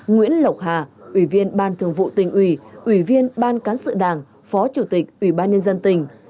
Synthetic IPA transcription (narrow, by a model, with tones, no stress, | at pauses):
ŋwḭ˧˥ənlə˨˩wk͡p̚ɦaː˨˩ʔwi˧˩vi˧ənɓaː˧nt̪ʰɨ˨˩əŋvṵ˧˨t̪ï˨˩ŋ̟ʔwi˧˩ʔwi˧˩vi˧ənɓaː˧nkaː˨˦nsɨ̰˧˨ɗaː˨˩ŋ | fɔ˨˦t͡ɕu˧˩t̪ï˨˩k̚ʔwi˧˩ɓaː˧nɲə˧nzə˧nt̪ï˨˩ŋ̟